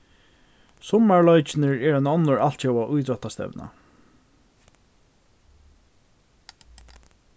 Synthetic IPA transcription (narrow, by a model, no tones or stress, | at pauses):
sʊmaɹlɔjt͡ʃɪnɪɹɛɹɛnɔnːʊɹal̥t̪ʃɛwaʔʊjt̪ɾɔht̪ast̪ɛ̰vna̰